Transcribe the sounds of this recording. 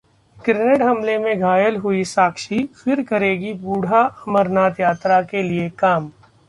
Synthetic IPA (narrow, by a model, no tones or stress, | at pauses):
kɾeneʈɦɐmlemẽɡʱaːjəlɦʊisaːkʃifɪɾkɐɾeːɡibuːɽ̤ʱaɐməɾnaːt̪jaːt̪ɾakeliekaːm